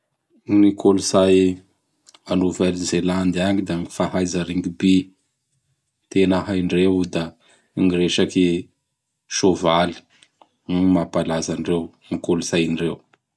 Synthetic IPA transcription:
nikʰoluzaj | anuvelizeland̪aŋid̪aŋifaɦajzaɾiŋɡibi | t̪enəɦajɳɖ͡ʐewd̪a | ŋiɾeʃaki | ʃovali̥ | mapalazaɳrew | nikoluzajnɖ͡ʐew

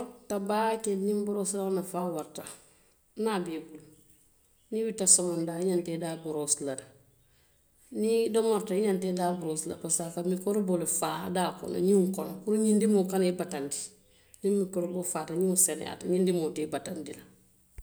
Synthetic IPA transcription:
tabakenɲimbuɾoslaonafaːwaɾta | nabebul | niwitasɔmandaiɲantedabuɾoslada | nidomoɾtaiɲantedaːbuɾosla̰pasakamikoɾubulfaːdaːko̰no̰ɲuŋkɔnokuɾuɲindimokanibatandi̥ | nimːikoɾubufaːtaɲisen̰ja̰taɲindimotibatandila

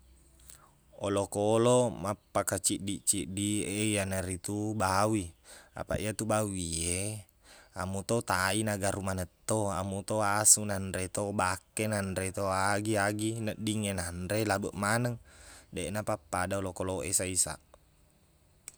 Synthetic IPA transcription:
ɔlokolomapːakat͡ʃiʔdiʔt͡ʃiʔdieijanaɾit̪ubawia̰pa̰ʔiat̪ubawie | amut̪ot̪ainaɡaɾumanət̪ːoamut̪oasunandɾet̪obakːenandɾet̪oaɡiaɡinəʔdiŋenandɾelabəʔmanəŋdɛnapapːadaɔlokoloesaisa̰ʔ

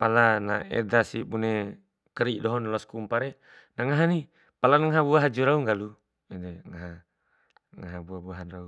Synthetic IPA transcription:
palana̰ḛdasibune | kəɾiʔdɔɦɔnlɔskumpaɾe | naŋaɦani | palanaŋaɦabuaɦad͡ʒuɾauŋɡalu | ɛdeŋaɦa | ŋaɦabuabuaɦanrau

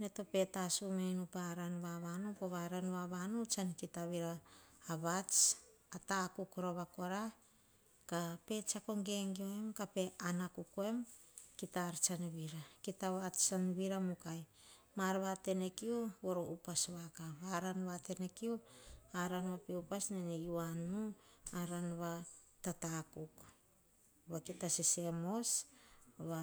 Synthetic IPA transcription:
neto̞pe̞tasumenupaɾanβaβanopoβaɾanβaβanot͡ʃankitaβiɾaːβat͡ʃ | ataːkukoɾoβako̞ɾa | kape̞t͡ʃakoŋɡeŋɡioemkape̞anakukoe̞mkitaɾt͡ʃanβiɾakitaβat͡ʃanβiɾamukaj | maɾβate̞nekiuβo̞ɾoʔupasβakaβaɾanβate̞nekiuaɾanβapeupasnenejuanuaɾanβa | tatakuk | βakitasise̞mo̞s | βa

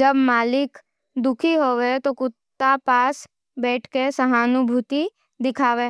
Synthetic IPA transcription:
d͡ʒəbmaːlɪk | d̪ʊkʰiɦoːʋet̪okʊt̪ːapaːs | bɛːʈʰkesɐɦaːnʊbʱut̪i | d̪ɪkʰaːʋeː

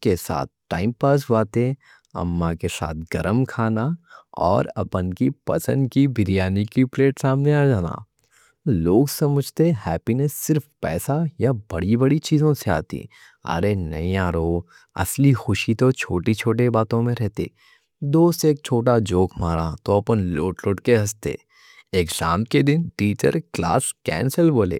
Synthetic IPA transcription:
kesa̰ːt̪̚ʰʈa̰ːɪmpaɾsɦaːt̪e | ɐ̰mːakesa̰ːt̪ʰɡɐɾəmkʰaːnaɔ̰ːɾɐ̰pənkipɐ̰sə̰̃nd̪kibɪɾijaːnikipleːʈsaːmneaːd͡ʒaːna̰ː | loːɡsɐməd͡ʒʱt̪eɦɛːpinɛsɪɾfpɛːsajabɐɽibɐɽit͡ʃiːzõsea̰ːt̪ḭ | ɐ̰ɾenɐ̰ɦĩaːɾoː | ɐ̰slixʊʃit̪ot͡ʃʰoːʈit͡ʃʰoːʈebaːt̪õmẽɾɛɦt̪ḛː | d̪oːst̪eːk̚t͡ʃʰoːʈ̬ad͡ʒoːkʰmaːɾat̪oɐpənloːʈloːʈkeɦɐst̪ḛː | eːɡd͡ʒaːmked̪ɪnʈiːt͡ʃə̰ɾkla̰ːskɛ̰̃ːnsəlboːlḛː

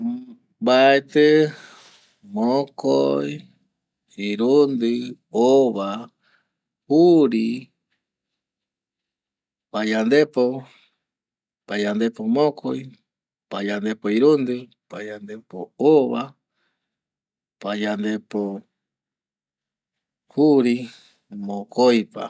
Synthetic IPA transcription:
baet̪e | mõkoj | iɾund̪ɨ | oβa | uɾi | pajand̪epo | pajand̪epomõkʰo̰j | pajand̪epoiɾund̪ɨ | pajand̪epooβa | pajand̪epo | huɾi | mõkojpa̰

